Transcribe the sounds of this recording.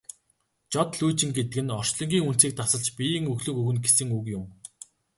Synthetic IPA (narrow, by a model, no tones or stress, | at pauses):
t͡ɕɔt̪ɮujt͡ɕɪ̆ŋɡet̪ɘ̆kɘ̆nɔr̥t͡ɕɮɞ̆ŋɡʲiːŋun̥t͡siːk̚t̪ʰasə̆ɮt͡ɕpʲijiːŋɵɣɮɵ̆kɵɣɘ̆nɡesɘ̆ŋukjʊm